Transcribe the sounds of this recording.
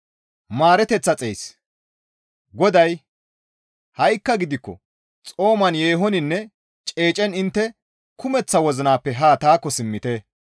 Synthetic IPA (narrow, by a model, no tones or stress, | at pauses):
maːɾɛt̪ɛt͡sːɐt͡sʼejs | ɡɔd̪ɐj | hɐjkːɐɡɪd̪ɪkːɔ̰ | t͡sʼo̞ːmɐnjeːɦɔnɪnːɛ | t͡ʃʼe̞ːt͡ʃʼɛnɪnt̪ːɛ | kʰʊmɛt͡sːɐwɔzɪnaːpːɛɦaːt̪aːkːɔsɪmːɪt̪e